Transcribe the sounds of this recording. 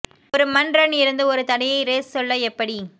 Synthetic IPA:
ɔɾɯmɐndrɐnɪɾɯnd̪ɯɔɾɯt̪ɐɽɐjɐɪɾeːssɔlːɐɛpːɐɽi

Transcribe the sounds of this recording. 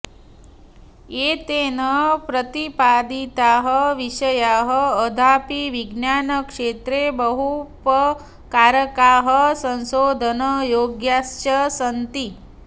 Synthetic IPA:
et̪eːnəpɾət̪ipaːd̪it̪aːɦəʋiʃəjaːɦəːd̪ʱaːpiʋiɡnjaːnəkʂeːt̪ɾebəɦupə | kaːɾəkaːɦəsə̃nsoːd̪ʱənəjoːɡjaːst͡ʃəsənt̪i

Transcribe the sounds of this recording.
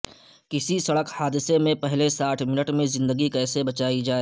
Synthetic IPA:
kɪsisɐɽəkhaːd̪ɪsemẽpɛɦlesaːʈʰmɪnəʈmẽzɪ̃nd̪əɡikɛːsebɐt͡ʃaːid͡ʒaːeː

